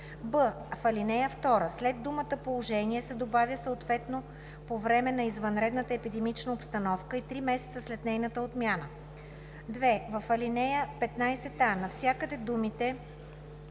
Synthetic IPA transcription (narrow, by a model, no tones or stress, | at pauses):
bɤ | fɐlinɛjəft̪ɔɾəslɛd̪ːumət̪əpolˠoʒɛniɛsɛd̪obavʲjəsəot̪vɛt̪no | povɾɛmɛnɐizvɐnɾɛd̪nət̪əɛpid̪ɛmit͡ʃnəopst̪ɐnɔfkəit̪ɾimɛsɛ̥t̪səslɛt̪nɛjnət̪əot̪mʲjanə | d̪vɛvɐfːɐlinɛjəpɛt̪najsɛt̪anɐfsʲjakəd̪ɛd̪umit̪ɛ